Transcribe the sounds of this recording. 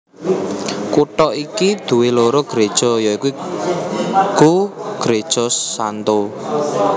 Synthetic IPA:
kuʈɔʔikid̪̥ṳweloɾoɡ̥ɾed̥ʒ̥ɔ̤jaiku | ɡ̥uɡ̥ɾed̥ʒ̥ɔsant̪o

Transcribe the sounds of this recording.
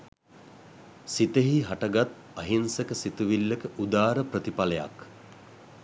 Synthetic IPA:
sit̪əɦiɦaʈəɡat̪̚ | ɐɦinsəkəsit̪uʋilːəkəʔud̪aːɾəpɾət̪ipaləja̰k

